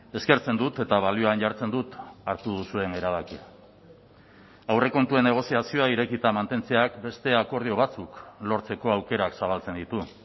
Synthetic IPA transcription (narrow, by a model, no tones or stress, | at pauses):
e̞ske̞ɾt͡se̞nd̪ut̪e̞t̪aβalioanʝaɾt͡se̞nd̪ut̪aɾt̪uð̞usue̞ne̞ɾaβ̞akia | awre̞ko̞nt̪ue̞nːe̞ɣ̞o̞siasio̞aiɾe̞kit̪amant̪e̞nt͡se̞akbe̞st̪e̞ako̞ɾð̞io̞β̞at͡suklo̞ɾt͡se̞ko̞awke̞ɾaksaβalt͡se̞nd̪it̪u